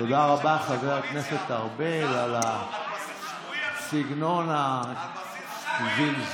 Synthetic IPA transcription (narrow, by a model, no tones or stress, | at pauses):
todaʁabaχaveʁalkneset̪aʁbelala | siɡnona | zil